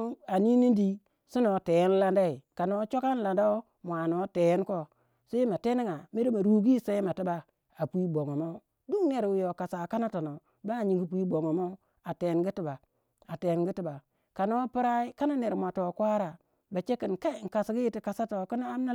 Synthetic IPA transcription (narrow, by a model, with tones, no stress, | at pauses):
a˨ni˦ni˦ndi˦ | si˦no˨te˨je˦n˦la˦nda˦i˨ka˨no˦t͡ʃo˦ka˦n˦la˨nda˦o˦ | mʷ˨a˨no˦te˨je˦nko˦ | se˦i˦ma˨te˦ni˦ŋa˨mi˦di˦ma˨ɾu˦ɡi˦se˦i˦ma˨ti˦ba˨ | a˨pi˦bo˨ŋo˨mo˦ | du˦ŋne˨ɾwu˦jo˨ka˨sa˨ka˦na˦to˨no˨ | ba˦˨ɲi˨ŋɡi˦p̬ʷi˦bo˨ŋo˨mo˦ | a˨te˨nɡi˦ti˦ba˨ | a˨te˨˦nɡi˦ti˦ba˨ | ka˨no˦pi˦ɾa˦i˦ka˦na˦ne˨ɾmʷ˨a˨to˨kʷa˦ɾa˨ | ba˨t͡ʃe˦ki˨nka˦˨ŋ̩˨ka˨sɡi˦i˦ti˦ka˨sa˦to˨ki˦n˦a˦m˦na˦